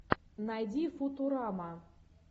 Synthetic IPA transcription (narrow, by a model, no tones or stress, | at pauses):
najdʲifut̪uɾama